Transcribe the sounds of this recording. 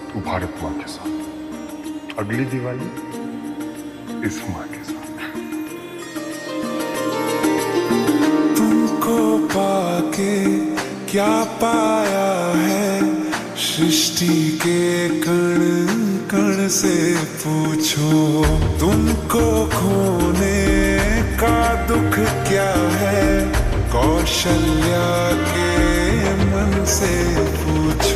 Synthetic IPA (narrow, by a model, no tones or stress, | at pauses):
ubʱa̰ːɾət̪uã̰kesaːt̪ | ɐɡlid̪ɪʋaːi | ɪsmãkesaːt̪ʰ | t̪ʊmkopaːke | kjaːpaːjaɦɛ | ʃɾɪʃʈikekɐɽ̃kɐɽ̃sepuːt͡ʃʰot̪ʊmkokʰuːne | kad̪ʊkʰkjaːɦɛː | kɔː | ʃəl | ja | ke | mɐn | se | puːt͡ʃʰ